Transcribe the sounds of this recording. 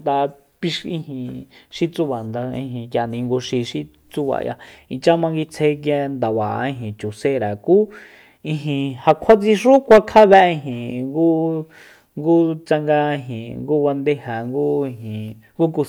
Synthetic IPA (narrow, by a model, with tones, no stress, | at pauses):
t̪a˧ | pi˧ʃĩ˦˧hĩ˧˨ʃi˦t͡su˦βa˨nd̪a˧ḭ̃˧ɦĩ˨kja˨nĩ˧ŋɡu˧ʃi˧ʃi˦ | t͡su˦βa̰˨ja̰˧i˧t͡ʃa˦mã˧ŋɡi˧t͡sʰe˧k̬ja˧nd̪a˨βa˨˧ĩ˧ɦĩ˨t͡ʃu˨se˧ɾa˨kuː˦ | ĩ˧ɦĩ˧ha˧kʷʰa˦t͡sĩ˧ʂu˦kʷa˧kʰa˦βɛ˧ʔĩ˧ɦĩ˨ŋɡu˦ | ŋɡu˦t͡sa˧ŋɡa˧ɦĩ˨ŋɡu˦βa˧nd̪e˦ha˨ŋɡu˦i˧ɦĩ˨ | ŋɡu˦ku˧